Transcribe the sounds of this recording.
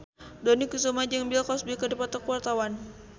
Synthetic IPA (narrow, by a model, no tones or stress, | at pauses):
donikusomad͡ʒəŋbilkɔsbikədipat̪ɔkuwart̪awan